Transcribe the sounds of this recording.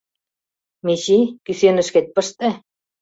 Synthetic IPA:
meɕikysenə̆ʃket̪̚pə̆ʃt̪ĕ

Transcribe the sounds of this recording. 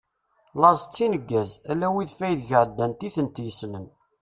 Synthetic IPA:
lɑzˤt͡sːinəɡːæzælːæwiðfæjðʝəʕd̪ːænt̪iθənt̪jəsmən

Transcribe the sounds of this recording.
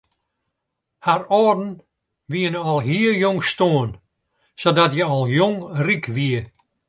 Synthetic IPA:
harɔːdn̩ | ʋiənəɔlˠɦiəjoŋstoːən | sodɔtjəɔlˠjoŋrikʋiə

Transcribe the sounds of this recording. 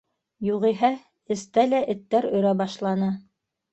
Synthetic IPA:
juʁiɦæ | ɘ̆st̪ælæʔɘ̆t̪ːæɾɵ̆ɾæbɑʃlˠɑnɤ

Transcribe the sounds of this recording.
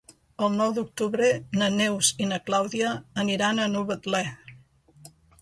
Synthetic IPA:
əlˠnɔwd̪uk̚t̪uβɾənənewzinəklawðiəːniɾanənuβət̪lɛ

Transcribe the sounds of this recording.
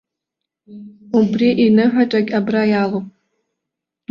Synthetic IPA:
ubriʔinɨħʷaʈ͡ʂʼaɡʲʼabrajaːlopʼ

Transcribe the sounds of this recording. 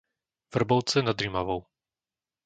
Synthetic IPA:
vr̩bɔlt͡sɛnad̪ɾimavɔw

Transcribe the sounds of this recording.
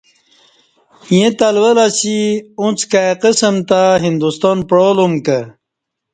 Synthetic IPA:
jẽt̪alwəlasiũt͡skaqəsəmt̪aɦind̪ust̪ɑnpɽolomkə

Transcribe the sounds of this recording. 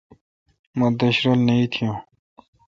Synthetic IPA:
mɐ̃d̪ɐɕɾolnɐit̪ʰijũː

